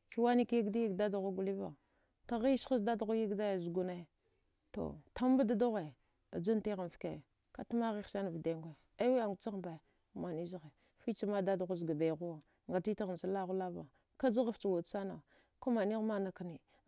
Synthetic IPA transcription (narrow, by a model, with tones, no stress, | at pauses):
ki˨wa˦ni˦ki˦i˦ɡdi˦ji˦ɡda˦da˨ɣa˦ɡu˨li˦va̰˨ | ta˨ɣi˦ʃi˦sda˦dɣu˦ji˦ɡda˦jzu˨ɡu˨na˦ | to̰˨ta˦m˦ba˦da˦du˦ɣe˨ | a̰˨d͡ʒu˦n˦ti˦ɣa˨n˨fkḛ˨ | ka˦tu˦ma˦ɣi˦sa˦n˨vi˨de˨ŋɡʷe˨ | a˦wi˦a˨ŋ˨t͡ʃa˦ɣba˨˦˨ | ma˨ni˦zi˦ɣe˨ | fi˦t͡ʃi˦ma˦da˦dɣu˦zɡa˨ba˨ɣu˦wa˨ | ŋɡa˨ti˦ti˦ɣa˨m˨sa˦la˦ɣu˦la˦va˨ | ka˦d͡ʒi˦ɣa˨ft͡ʃi˨wu˨dt͡sa˦na̰˨ | ku˦ma˨ni˦ɣma˦na˨ka˦ni˨